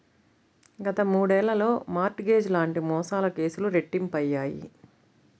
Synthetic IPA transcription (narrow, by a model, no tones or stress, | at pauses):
ɡɐt̪ɐmuːɽɛːlːɐlo̞ːmaːɾʈɡe̞ːd͡ʒlaːɳʈimɔːsaːlɐke̞ːsuluɾeʈːimpɐjːaːjḭ